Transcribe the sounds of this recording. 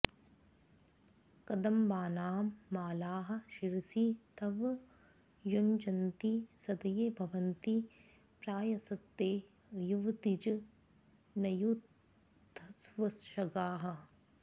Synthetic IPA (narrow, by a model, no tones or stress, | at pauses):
kɐd̪ɐmbaːnaːmːaːlaːɦɐ̆ʃiɾsit̪ɐʋ | jund͡ʒɐnt̪isɐd̪ɐjeːbʱɐʋɐnt̪i | pɾaːjɐsɐt̪ːeː | juʋt̪id͡ʒɐ | nɐjut̪ː | ɐsʋɐsʃɐɡaːɦɐ̆